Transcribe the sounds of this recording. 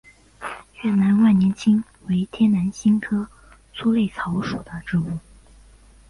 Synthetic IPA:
ɥɛ˥˩na˧˥nwa˥˩njɛ˧˥nt͡ɕʰi˥ŋ | we˧˥ɪt̪ʰjɛ˥na˧˥nɕi˥nkʰɤ˥ | t͡sʰu˥le˥˩ɪt͡sʰɑ˧˥ʊʂu˨˩d̪ə˦ʈ͡ʂɻ̩˥˧u˥˩

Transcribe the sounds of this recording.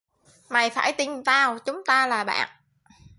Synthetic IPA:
ma˨˩jfaː˧˩jt̪i˧˩nt̪aː˧wt͡ɕʊ˨˦ŋ͡mt̪aː˧laː˨˩ɓa̰ː˧˨n

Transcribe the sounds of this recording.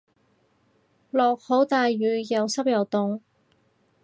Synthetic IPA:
lɔː˨˩k̚ho˨˥wt̪aː˨jɥyː˨˧jɐ˨˧wsɐ˥p̚jɐ˨˩wt̪ʊ˨ŋ

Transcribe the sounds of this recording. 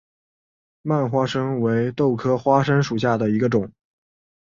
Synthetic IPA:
ma˥˩nxwa˥ʂə˥ŋwe˧˥ɪt̪o˥˩ʊkʰɤ˥xwa˥ʂə˥nʂu˨˩ɕja˥˩d̪ə˩i˧˥ɡə˧ʈ͡ʂʊ˨˩˦ŋ

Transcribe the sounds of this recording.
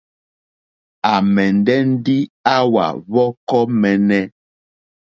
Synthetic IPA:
a˨mɛ˨n˨dɛ˦n̩˦di˦a˦wa̰˨βɔ˦kɔ˦mɛ˨nɛ˦

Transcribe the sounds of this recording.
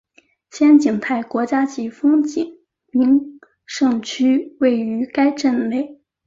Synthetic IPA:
ɕjɛ˥nt͡ɕi˨˩ŋt̪ʰa˥˩ɪkwɔ˧˥t͡ɕja˥t͡ɕi˧˥fɤ˥ŋt͡ɕi˨˩˦ŋ | mi˧˥ŋ | ʂɤ˥˧ŋt͡ɕʰy˥we˥˩ɪy˧˥ka˥ɪʈ͡ʂə˥˧nle˥˩ɪ

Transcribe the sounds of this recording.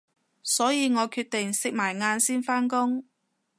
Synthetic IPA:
sɔː˨˥jiː˨˧ŋɔː˨˧kʰyː˧t̪̚ɪ˨ŋsɪ˨k̚maː˨˩jŋaː˧nsiː˥nfaː˥nkʊ˥ŋ

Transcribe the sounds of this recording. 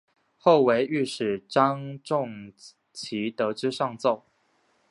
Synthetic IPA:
xo˥˩ʊwe˧˥ɪy˥˩ʂɻ̩˨˩ʈ͡ʂɑ˥ŋʈ͡ʂʊ˥˨ŋ | t͡ɕʰi˧˥t̪ɤ˧˥ʈ͡ʂɻ̩˥ʂɑ˥˧ŋt͡so˥˩ʊ

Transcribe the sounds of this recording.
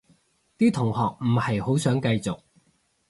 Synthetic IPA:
t̪iː˥t̪ʰʊ˨˩ŋhɔː˨k̚m̩˨˩hɐ˨jho˨˥wsœː˨˥ŋkɐ˧jt͡sʊ˨k̚

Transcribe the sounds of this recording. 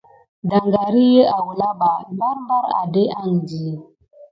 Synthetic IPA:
da˨ŋɡa˨ɾi˦je˦a˨wu˨la˦ɓa˨mba˦ɾmba˦ɾa̰˨de˦a˦˨ŋ˨di˨

